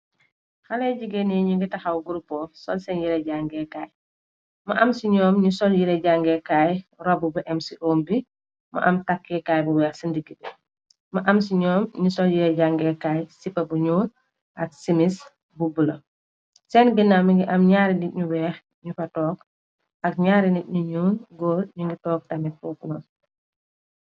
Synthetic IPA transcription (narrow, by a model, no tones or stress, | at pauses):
xalɛɟiɡenɛɲuŋɡitɐxawɡuɾupːɔsɔlsɛnjiɾɛɟaŋɡɛkaːj | mɐʔamsiɲɔːmɲusɔljiɾɛɟaŋɡɛkaːjrɔbubuʔɛmsiʔoːmbi | mɐ̰ʔamtakːɛkajbuwɛːxsindiɡi | mɐʔamsiɲɔːmɲusɔljiɾɛɟaŋɡɛːkaːjsipːɐbuɲuːn | ʔɐk̚simis | bubulɐ | sɛːnɡinamiŋɡiʔɐmɲaːɾindit̚ɲuwɛːx | ɲufɐtɔːk | ɐk̚ɲaːɾinit̚ɲuɲuːnɡoːlɲuŋɡitɔːk̚tamɛt̚pɔːknɔn